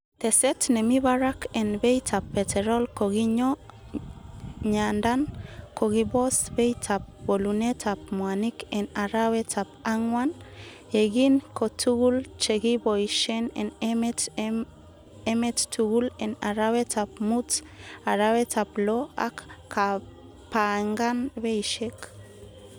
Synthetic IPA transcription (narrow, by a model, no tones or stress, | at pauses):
t̪esetnemiβaɾakʰenbejtʰapːetʰeɾolkoɣiɲo | ɲandankʰoɣibosbejtʰap̚bolunetʰap̚moanikenaɾawetʰapaŋwan | eɡinkotʰuɣult͡ʃeɣibojʃenḛn | emettuɣulenaɾaβet͡sap̚mut͡s | aɾaβet͡saploa̰kkʰa | paŋɡanβejʃek